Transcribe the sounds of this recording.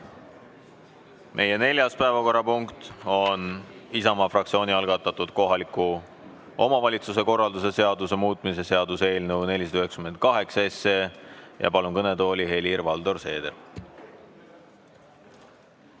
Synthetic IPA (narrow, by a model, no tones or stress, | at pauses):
mʔe̞je̞ne̞lʲjɑspæe̞vɑko̞rːɑpuŋkt̪o̞nisɑmɑfrɑk̚tsio̞ːnʲiɑlɡ̥ɑt̪ːˑɑt̪ːˑud̪̥ko̞ɦɑliku | ʔo̞mɑvɑlʲit̪sus̬e̞ko̞rːɑld̪use̞se̞ɑd̪us̬e̞muːt̪ˑmis̬e̞se̞ɑd̪useːlnuwne̞lʲisɑd̪ɑyɦekskyme̞nt̪̚kɑɦe̞ksɑesːejɑ̰pɑlunkɤne̞t̪o̞ːlʲiɦe̞lirvɑld̪o̞rse̞ːd̪e